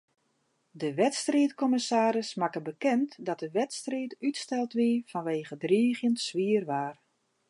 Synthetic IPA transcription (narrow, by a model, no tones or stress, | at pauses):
dəʋɛtstriətkɔməsaːɾəsmakəbəkɛntdɔt̚dəʋɛtstriːtytstɛlˠtʋifɔnʋeːɣədriəɣjəntsʋiərʋaːr